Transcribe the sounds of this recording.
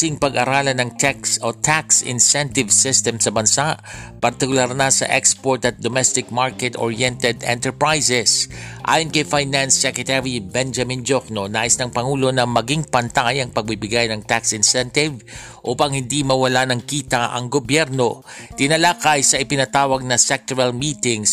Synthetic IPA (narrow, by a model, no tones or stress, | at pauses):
ɪŋpɐɡʔɐɾaːlɐnɐŋt̪ɛksot̪ʰaksɪ̰nsɛnt̪ɪvsɪst̪ɛmsɐbɐnsaʔpɐɾt̪ɪkʊlaɾnasɐ̰ʔɛkspoɹt̪ɐt̪̚d̪omɛst̪ɪkmaɹkɛt̪o̰ɹjɛnt̪ɛd̪ɛ̰̃nt̪ɛɹpɹajsɛsʔa̰ːjonkɐjfajnansːɛkɛt̪ɛɹibɛnd͡ʒɐmɪnd͡ʒoknonaːʔɪsnɐŋpɐŋuːlo̞nɐmɐɡiŋpɐnt̪ajɐŋpɐɡ̚bibɪɡajnɐŋt̪aksɪnsɛnt̪ɪv | ʔuːpɐŋhɪnd̪imɐwɐlanɐŋkiːt̪aʔɐ̰ŋɡobjɛɾno̞ | t̪ɪnɐlaːkajsɐʔɪpɪnɐt̪aːwɐɡ̚nɐsɛk̚t̪oɹɐlmiːt̪ɪŋs